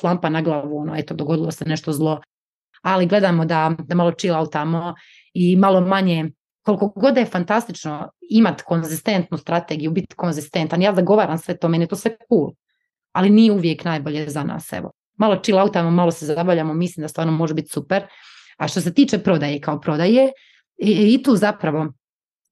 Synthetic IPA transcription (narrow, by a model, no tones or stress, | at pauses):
slˠampanaɡlˠaʋuonoːet̪od̪oɡo̞d̪ilˠoseneʃt̪o̞zlˠo̞ | aliɡlˠe̞d̪aːmod̪ad̪amalˠo̞t͡ʃilˠaut̪amo | imalo̞maɲe | koliko̞ɡo̞d̪efant̪ast̪it͡ʃnoimat̪ko̞nzist̪e̞nt̪nust̪ɾat̪eːɡijubit̪ko̞nzist̪ent̪anjaːzaɡo̞ʋaːɾaːmsʋe̞t̪omeniet̪oːsʋekuːl | alinijeuʋje̞knajboʎezana̰ːsɛ̰ʋo̰ | malˠo̞t͡ʃilˠaut̪amomalˠo̞sezabaʋlʎaːmomislimd̪ast̪ʋaːɾnomo̞ʒebit̪supeɾ | aʃt̪o̞s̬e̞t̪iːt͡ʃepɾo̞d̪ajekaopɾo̞d̪aje | it̪uːzapɾaʋo̞